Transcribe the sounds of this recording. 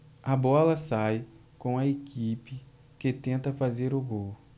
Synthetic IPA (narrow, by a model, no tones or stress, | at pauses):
ɐbɔlɐsaj | kõw̃ɐekipɪ | ket̪ẽnt̪ɐfazeɾoɡow